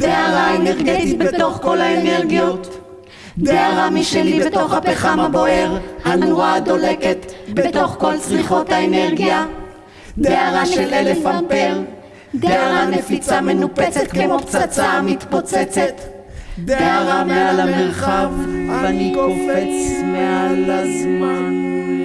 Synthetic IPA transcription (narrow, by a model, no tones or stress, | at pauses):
deaʁaeneʁɡet̪it̪̚bet̪o̞χko̞lhaene̞ʁɡijot̪ | deaʁamiʃelibet̪o̞χhapeχamhabo̞eʁanuʁad̪o̞leket̪bet̪o̞χko̞lt͡sʁiχo̞t̪haeneʁɡija | d̪eaʁaʃelelefampeʁ | deaʁanefit͡same̞nupet͡set̪̚kmemopt͡sat͡samit̪po̞t͡set͡se̞t̪ | d̪eaʁamealameʁχavaniofet͡smealazman